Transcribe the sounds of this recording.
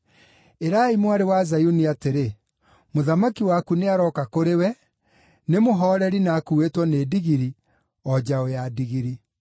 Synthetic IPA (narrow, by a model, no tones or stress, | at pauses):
eɾaimwaɾewazajuniateɾe | moðamakiwakuneaɾɔːkakoɾewɛ | nemoɦɔːɾɛɾinakuwetwɔneːdiɣiɾi | ɔd͡ʑaojadiɣiɾi